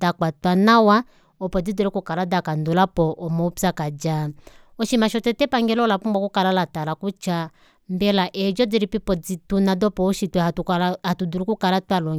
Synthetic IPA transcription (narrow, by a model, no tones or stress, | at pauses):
dakwatwanawa | ɔpɔd͡zidɛɾikukaladakandulapɔʔɔmɔupsakad͡ʒaɔʃimaʃɔtɛtɛpaŋɡɛlɔlapumbakukalalatalakut͡ʃa | mbɛlaʔɛd͡ʒɔd͡ziɾipipɔd͡zitunadɔpɔɔʃitwɛuatuduɾikukalatwalɔ